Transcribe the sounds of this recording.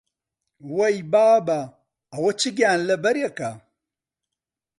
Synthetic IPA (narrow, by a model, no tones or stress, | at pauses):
wɐjbaːba | ɐwɐt͡ʃiɡʲaːnlɐbɐɾjaka